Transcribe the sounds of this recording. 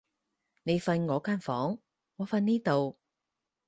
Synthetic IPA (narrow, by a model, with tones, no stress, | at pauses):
ne˨˧jfɐ˧nŋɔː˨˧kaː˥nfɔ̰ː˨˥ŋ | ŋɔː˨˧fɐ˧nniː˥t̪o˨w